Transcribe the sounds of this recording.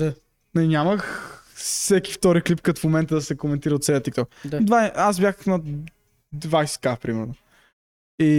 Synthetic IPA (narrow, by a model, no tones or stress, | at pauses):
a | ninʲaməx | sɛki̥ft̪ɔɾiklip̚kət̪fmomɛnt̪əd̪ɐsɛkomɛnt̪iɾɐot̪sɛjət̪ikt̪ɔk̪ad̪vaazbjaxnɐ | d̪vajsɛ̥kafpɾimɛɾno | i